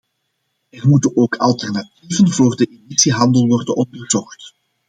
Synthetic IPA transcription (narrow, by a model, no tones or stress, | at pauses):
ɛrmutənoːkʰɑ̰lˠtɛrnativənvoːrdəʔemisiɦɑndəlˠʋɔrdənɔndərzɔxt